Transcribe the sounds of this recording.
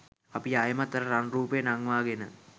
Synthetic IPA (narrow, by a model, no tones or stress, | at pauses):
apiajəmat̪ːəɾəɾanruːpejənaŋʋaːɡenə